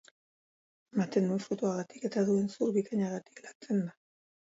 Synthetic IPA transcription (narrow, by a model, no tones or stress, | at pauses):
mat̪e̞nd̪unfut̪uaɣat̪i̥ke̞t̪aðue̞nsuɾβikaɲaɣat̪i̥klant͡se̞nd̪a